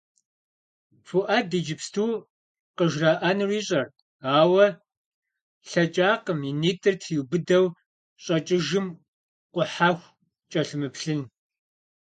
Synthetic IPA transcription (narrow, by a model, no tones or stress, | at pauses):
fuʔadiːd͡ʒɪpstʰuː | qəʒraːʔanɨriːɕʼɐr | aːwɐ | ɬɐt͡ʃʼaːqəminiːtʰʼɨrtʰjubɨdɐw | ɕʼɐt͡ʃʼɪʒɨm | qʷʊħaːxʷ | t͡ʃʼɐɬɨmɨpɬɨn